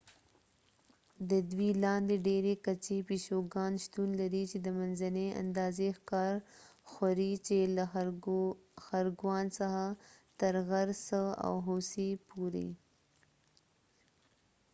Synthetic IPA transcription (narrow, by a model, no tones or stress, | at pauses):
d̪əd̪wilɑnd̪eɖeɾekat͡ʃepeʃoɡɑnʃt̪unlaɾit͡ʃed̪əmanzanea̰nd̪ɑzexkɑɾxaɾit͡ʃela | xaɾɡwɑnsaxat̪əɾɣaɾsəa̰wɦosipuɾḭ